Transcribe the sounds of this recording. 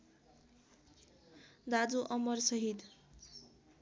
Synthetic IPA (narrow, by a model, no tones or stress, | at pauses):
d̪ad͡zuʔʌmʌrsʌɦid̪